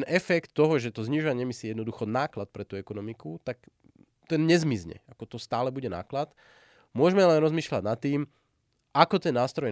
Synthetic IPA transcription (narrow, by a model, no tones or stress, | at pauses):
nɛfɛkt̪ːɔɦɔʒɛt̪ɔzɲiʒɔʋaɲɛɛmisijɛd̪nɔd̪uxɔnaːklat̪̚pɾɛt̪uːɛkɔnɔmikut̪ak | t̪ɛnɲɛzmizɲɛ̰akɔt̪ɔst̪aːlɛbuɟɛna̰ːklat̪ | mʊɔʒmɛlɛnɾɔzmiːʃʎa̰ɟnat̪ːiːm | ʔakɔt̪ɛnːaːst̪ɾɔj